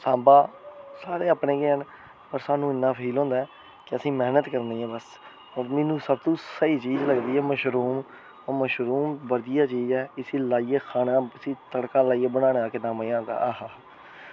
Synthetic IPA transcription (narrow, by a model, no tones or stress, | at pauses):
sãːbaːsaːɾeːaːpɳẽːɡeːɦən | pəɾsaːnũːɪnːãːpʰiːlɦõːnd̪aːɛː | kɪəsĩːmɛːnət̪kəɾniːɛ̃ːbəs | oːɾmɪnũːsəb̚t̪ũːsəiːt͡ʃiːzləɡd̪iːɛːməʃɾuːmː | məʃɾuːmʋəd̪ijaːt͡ʃiːzɛːɪsiːlaːiːeːkʰaːnãːəsĩːt̪əɽkaːlaːiːeːbəɽ̃ãːɽaːkenãːmajãːɡ̪a̰ːaːhaː